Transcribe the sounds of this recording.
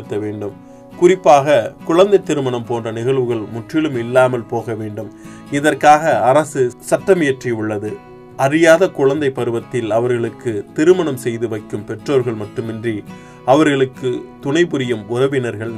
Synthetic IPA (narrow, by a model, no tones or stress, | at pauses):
ɯt̪ːɐʋeːɳɖɯm | kʊrɪpːaːɣɐkʊɻɐnd̪ɐɪt̪ːɪɾɯmɐɳɐmpoːndrɐnɪɣɐɭʋɯɣɐɭmʊʈrɪɭɯmɪlːaːmɐlpoːɣɐʋeːɳɖɯm | ɪðɐrkaːɣɐːɾɐsɯsɐʈːɐmɪjɐʈriʊɭːɐðɯ | ɐrɪjaːðɐkʊɻɐnd̪ɐɪpːɐɾɯʋɐt̪ːɪlɐʋɐɾɣɐɭɯkːɯt̪ɪɾɯmɐɳɐmsɛjðɯʋɐɪkːɯmpɛʈroːɾɣɐɭmɐʈːɯmɪndri | ɐʋɐɾɣɐɭɯkːɯt̪ʊɳɐɪpʊɾɪjɐmʊrɐʋɪnɐɾɣɐɭ